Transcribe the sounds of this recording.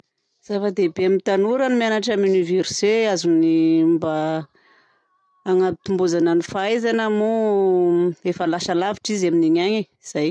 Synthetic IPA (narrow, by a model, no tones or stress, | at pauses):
z̥afəd̪ebeamit̪anuɾanimianaʈ͡ʂamuniveɾseazunimba | ŋabit̪umbuzananifajzanamu | efalaʃalavi̥ʈ͡ʂizaminiɲaɲeiz̥aj